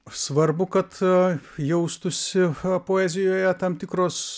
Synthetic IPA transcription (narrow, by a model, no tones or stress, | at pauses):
sʋɐrbʊkɐt̪jɛʊst̪ʊsʲɪpoːæːzʲɪjoːjɛt̪ɐmt̪ʲɪkɾoːs